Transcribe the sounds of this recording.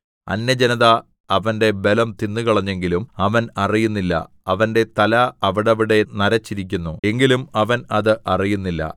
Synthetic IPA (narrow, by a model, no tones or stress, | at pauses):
ɐ̰nːɐd͡ʑenɐðɐ | ɐʋɐnde̞be̞lɐmt̪inːɨkɐɭɐɲːeŋɡilumɐʋɐnɐrijunːilːɐ̰ | ɐʋɐnde̞t̪ɐlɐɐʋiɽɐʋiɽe̞nɐɾɐt͡ɕːiɾik̬ʲːunːue̞ŋɡilumɐʋɐnɐðɨʔɐrijunːilːɐ̰